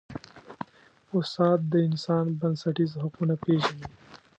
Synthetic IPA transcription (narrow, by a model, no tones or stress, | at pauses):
ʊst̪ɑːt̪̚d̪əɪnsɑːnbɐnsɐʈizɦɐqunapeːʒɐni